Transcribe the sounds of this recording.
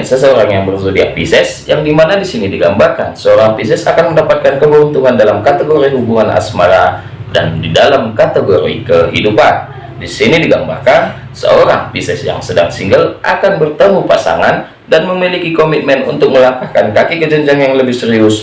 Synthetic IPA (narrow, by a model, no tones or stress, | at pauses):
nsəsəoɾaŋjaŋbərzədiapisɛsjaŋdimanadisinidiɡambarkansəoɾaŋpisɛsakanməndapat̪̚kankəbunt̪uŋandalamkat̪əɡoɾiɦubuŋana̰smaɾa | da̰ndidalamkat̪əɡoɾḭkəɦidupan | disinidiɡamba̰rkan | sə̰oɾa̰ŋpisɛsja̰ŋsədaŋsiŋɡəlʔa̰kanbərt̪əmupasa̰ŋan | danməmilikikomit̪̚mɛnṵnt̪ʊk̚məlakahkankakikəd͡ʒəɲd͡ʒaŋjaŋləbɪhsəɾiʊs